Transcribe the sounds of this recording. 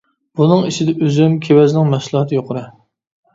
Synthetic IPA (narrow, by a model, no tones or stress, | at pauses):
b̥unɨŋiʃɪd̪ɛʔøzymkʲʰewɛznɪŋmɛslˠɑhɑt̪ʰɨjoqʰʊɾɨ